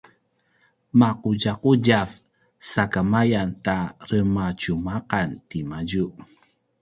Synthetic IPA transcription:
maquɟaquɟav | sakamajantaɾəmat͡ʃumaqantimaɟuʔ

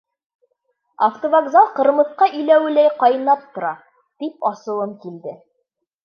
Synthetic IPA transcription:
aft̪ovaɡzɑlˠqɤ̆ɾmɤ̆θqɑʔɵ̆jlæwɘ̆læjqɒjɤ̆nɑp̚t̪ŏɾɑ | t̪ipɒsɤ̆lˠɤmkild̪ɘ

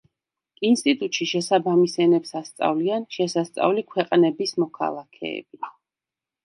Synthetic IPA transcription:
inst̪ʼit̪ʼut̪ʼʃiʃɛsabamisɛnɛpsast̪sʼa̰vlianʃɛsast̪sʼa̰vlikʰwɛqʼnɛbismɔkʰa̰lˠakʰɛ̰ɛ̰b̥i

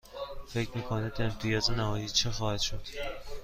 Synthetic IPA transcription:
fe̞cʰmiːkʰonid̪emt̪ʰijɒːzenæɦɒːjiːt͡ʃʰexɒːhæd̪ʃo̞d̪̥

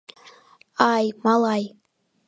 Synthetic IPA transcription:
ɑjmɑlˠɑj

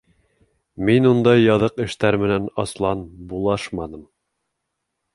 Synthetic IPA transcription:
minund̪ɑjːɑðɤqɘ̆ʃt̪æɾmɘ̆nænɑslˠɑnbulˠɑʃmɑnɤm

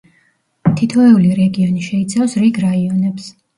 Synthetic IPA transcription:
t̪ʰit̪ʰɔɛuliɾɛɡiɔniʃɛit̪sʰafsɾiɡɾaiɔnɛps

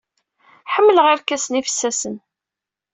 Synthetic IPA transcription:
ħəmːələʁɪɾkæsənifə̥sːæsən

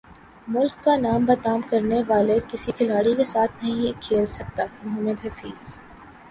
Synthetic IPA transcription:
mʊlkːanaːmbɐt̪aːmkɐɾneʋaːlekɪsikʰɪlaːɽikesaːt̪ʰnɐɦĩkʰeːlsɐk̚t̪aːmʊɦəmːəd̪ɦɐfiːz̥

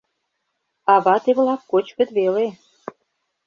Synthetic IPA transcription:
ɑβɑt̪eβlɑkːot͡ɕkə̆t̪βele

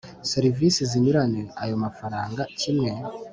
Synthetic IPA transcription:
seɾivisizinuɾaneajo̞mafaɾaːŋɡacimŋe̞

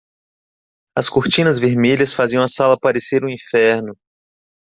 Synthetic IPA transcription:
ɐskoɾt͡ʃĩnɐzveɾmelʲɐsfaziɐ̃ɐsalɐapaɾeseɾũĩfɛɾnʊ

